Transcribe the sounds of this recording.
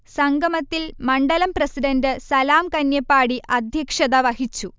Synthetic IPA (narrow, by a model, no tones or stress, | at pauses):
sɐŋɡʱɐmɐt̪ːilmɐɳɖɐlɐmprɐsiɖɐndɨsɐlaːmkɐnjɐpːaːɽiʔɐd̪ʱjɐkʂɐðɐʋɐhit͡ɕːu